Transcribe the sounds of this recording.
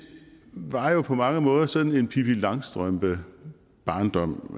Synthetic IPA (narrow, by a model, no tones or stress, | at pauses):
ʋɑ̈jo̝pʰɒ̽mɑ̈ŋəmɔ̽ːð̞ˠɐsɒ̽d̥n̩e̝npʰipʰilɑ̈ŋsd̥ʁœmb̥ə | b̥ɑ̈ːnd̥ɒ̽m̰